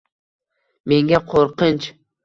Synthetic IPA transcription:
me̞ŋɡʲaqʰoɾqɨnt͡ʃ

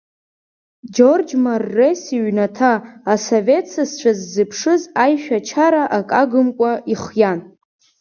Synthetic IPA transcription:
d͡ʒord͡ʒmarːesiɥnatʰaːsove̞tt͡sʰast͡ʃʷʰazːɨpʰʂɨzajʃᶣat͡ʃʰaɾaʔakʼaɡɨmkʷʼaiχjan

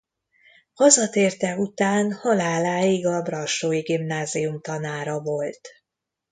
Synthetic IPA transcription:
hɒzɒt̪eːrt̪ɛut̪aːnhɒlaːlaːjiɡɒbrɒʃoːjiɡimnaːzijumt̪ɒnaːɾɒvo̞lt̪

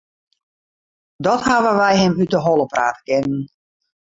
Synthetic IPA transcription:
dɔthaʋəʋɛjɦɛmytəɦɔlˠəpra̰ːtə̥kɪnən̩

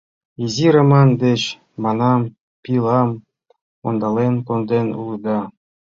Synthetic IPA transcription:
iziɾɑmɑnd̪eɕ | mɑnɑm | pʲilˠɑm | o̰nd̪ɑlenkond̪enṵlˠud̪ɑ

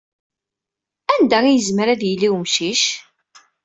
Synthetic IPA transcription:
ænd̪æijəzməɾæðjilːiwmʃiʃ

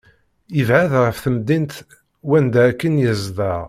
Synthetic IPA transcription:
əvʕaðʁəfθəmd̪int̪ | wænd̪æækːənjəzˤd̪ɑʁ

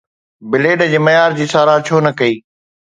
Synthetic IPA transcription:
bɪleːɖd͡ʑeːmɐjaːɾd͡ʑiːsaːɾaːt͡ɕʰoːnɐkɐiː

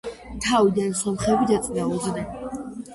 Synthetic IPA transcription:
t̪ʰavid̪ansɔmχɛbid̪at̪sʼnauznɛ

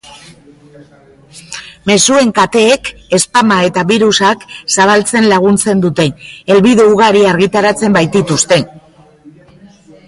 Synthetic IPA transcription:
me̞sue̞ŋkat̪e̞ːke̞spamae̞t̪aβiɾusaksaβ̞alt͡se̞nlaɣ̞unt͡se̞nd̪ut̪e̞e̞lβiðeuɣaɾiaɾɣit̪aɾat͡se̞mbajt̪it̪ust̪e̞

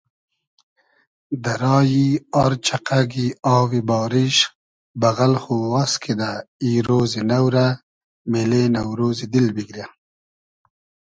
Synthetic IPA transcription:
d̪aɾɑːjiɑɾt͡ʃʰaqaɡiɑːwibɑːɾiʃ | bɐɣalχuwaskʰed̪aiːɾoːzinawɾa | melenawɾoːzid̪ilbiɡɾja

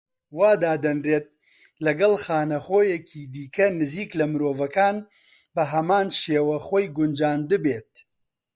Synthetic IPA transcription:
waːd̪aːd̪ɐnreːt̪̚ | lɐɡɐlxaːnɐχoːjɛkʰiːd̪iːkʰɐnɨziːklɐmɨɾoːvɐkaːn | bɐɦɐmaːnʃeːwɐxoːjɡʊnd͡ʒaːnd̪ɨbeːt̪̚

